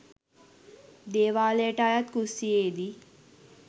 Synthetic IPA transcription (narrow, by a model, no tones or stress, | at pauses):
d̪eːʋaːleːʈajat̪̚kusieːd̪i